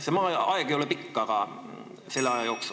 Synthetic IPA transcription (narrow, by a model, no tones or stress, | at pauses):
semɑːɑeɡ̥ejolepikːɑɡ̥ɑ | se̞lːeɑjɑjo̞ːksu